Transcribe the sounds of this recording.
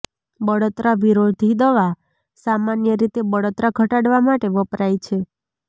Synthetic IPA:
bəɽot̪ɾaʋiɾod̪ʱid̪əʋa | samanjəɾit̪ebəɽot̪ɾaɡʱəʈaɽʋamaʈeʋəpɾajt͡ʃʰe

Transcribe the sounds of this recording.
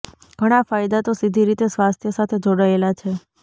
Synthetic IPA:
ɡ̥ʱəɽ̃afajd̪at̪osid̪ʱiɾit̪esʋast̪ʰjəsat̪ʰed͡ʒoɽaelat͡ʃʰe

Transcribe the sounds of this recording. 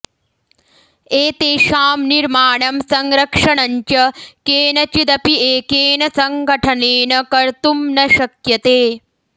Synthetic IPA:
eːt̪eːʃaːmniɾmaːɳɐmsɐŋɾɐkʂɐɳɐɲt͡ʃɐkeːnɐt͡ʃid̪ɐpieːkeːnɐsɐŋɡʱɐʈʰɐneːnɐkɐɾt̪umnɐʃɐkjɐt̪eː

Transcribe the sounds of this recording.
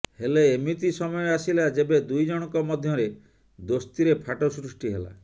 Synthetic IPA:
heleːmit̪isɔmɔjɔasilad͡ʒebed̪ujd͡ʒɔɽ̃ɔkɔmɔd̪ʱjɔɾe | d̪ost̪iɾepʰaʈɔsɾusʈiɦela̰

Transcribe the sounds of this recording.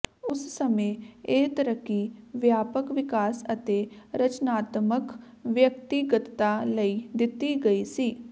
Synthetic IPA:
ʊssəmẽːeːt̪əɾəkːiːʋjaːpəkʋɪkaːsət̪eːɾət͡ʃnaːt̪mək | ʋjək̚t̪iɡət̪t̪aːləiːd̪ɪt̪iːɡəiːsiː

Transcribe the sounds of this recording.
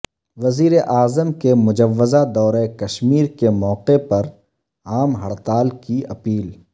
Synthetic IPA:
ʋɐziːɾeʔaːzəmkemʊd͡ʒɐʋːɪzad̪ɔːɾekɐʃmiːɾkemɔːqepɐɾ | aːmɦɐɽt̪aːlkiɐpiːl

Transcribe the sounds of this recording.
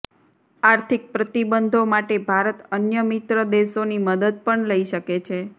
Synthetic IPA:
aɾt̪ʰik̚pɾət̪ibənd̪ʱomaʈebʱaɾət̪ənjəmit̪ɾəd̪eʃoniməd̪əd̪̚pəɳləiʃəket͡ʃʰe

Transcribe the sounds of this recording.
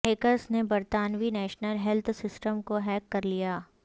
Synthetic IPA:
eːkəsnebɐɾt̪aːnʋinɛːʃnəlɦɛlt̪ʰsɪsʈəmkoɦɛːkːɐɾlijaː

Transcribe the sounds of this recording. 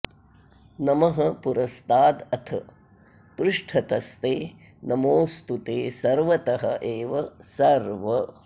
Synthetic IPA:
nɐmɐɦɐpuɾɐst̪aːd̪ɐt̪ʰɐ | pɾɪʂʈʰɐt̪ɐst̪eː | nɐmoːst̪ut̪eːsɐɾʋɐt̪ɐɦɐ̰ʔeːʋɐsɐɾʋɐ

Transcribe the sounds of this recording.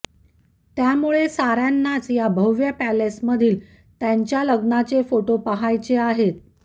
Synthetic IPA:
t̪jamuɭesaɾjanːat͡sjabʱəʋjəpælesməd̪ʱiːl | t̪jaɲt͡ɕjaləɡnat͡sefoʈopəɦajt͡seaɦet̪̚

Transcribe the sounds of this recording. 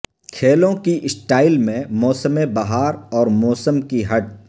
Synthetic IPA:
kʰeːlõkiʔɪsʈaːɪlmẽmɔːsəmẽbɐɦaːɾɔːɾmɔːsəmkiɦɐʈ̚

